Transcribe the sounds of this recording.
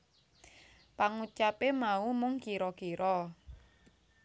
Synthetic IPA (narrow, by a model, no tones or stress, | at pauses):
paŋut͡ʃapemaumʊŋkiɾɔkiɾɔ